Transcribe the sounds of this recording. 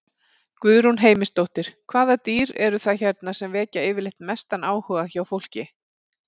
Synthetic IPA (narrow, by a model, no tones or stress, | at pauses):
kvʏðɾunɦeːjmɪst̪owht̪ɪɾ̥kʰvaːðat̪iːɾɛɾʏθaçɛɾt̪nasɛmvɛːcaɪːvɪɾlejht̪mɛst̪anaːwhœɣaçawfowl̥cɪ